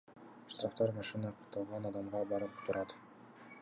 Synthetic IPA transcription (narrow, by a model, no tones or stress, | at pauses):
ʃt̪raft̪ɑɾmɑʃɯnɑqʰɯt̪ɯlˠʁɑnɑd̪ɑmʁɑbɑɾɯpt̪uɾɑt̪